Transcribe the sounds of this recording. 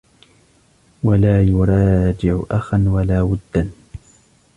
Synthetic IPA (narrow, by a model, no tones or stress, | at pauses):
walaːjʊɾˤɑːd͡ʒɪʕʊʔaxanwalaːwʊd̪ːan